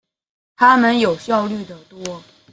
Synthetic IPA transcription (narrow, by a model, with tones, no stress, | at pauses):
t̪ʰa˥mə˨njo˨˩ʊɕjɑ˥˧ʊly˥˩d̪ə˩t̪wɔ˥